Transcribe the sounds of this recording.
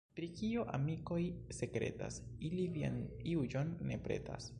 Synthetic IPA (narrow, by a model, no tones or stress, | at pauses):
pɾikioʔamiko̞jse̞kɾe̞̰ta̰silivia̰niud͡ʒo̞nːe̞pɾe̞̰ta̰s